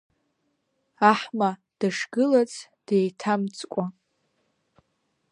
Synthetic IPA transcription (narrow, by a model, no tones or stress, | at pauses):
aħma | d̥aʂɡɨlat͡sʰʼd̥ejtʰamt͡sʼkʷʼa